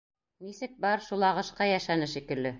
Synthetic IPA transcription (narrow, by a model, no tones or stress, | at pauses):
nisɘk̚bɑɾʃulˠɑʁɤ̆ʃqɑjæʃænɘʃikɘ̆lːɘ